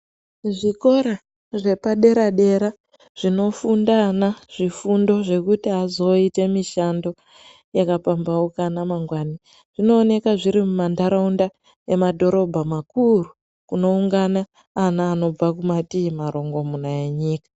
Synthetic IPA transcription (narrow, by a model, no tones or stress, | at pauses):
ʐiko̞ɾa | ʐe̞paɗe̞ɾaɗe̞ɾa | ʐ̥ino̞fundanaʐ̥ifundo̞ʐe̞kutiɦazo̞ite̞miʃando̞ | jakapambaokanamaŋɡwani | ʐ̥ino̞ːne̞kaʐiɾimumandaɾaunda | e̞madʱo̞ɾo̞bʱamakuru | kuno̞uŋɡanaː | naːno̞b͡vakumatimaɾo̞ŋɡo̞munaje̞ɲiːkḁ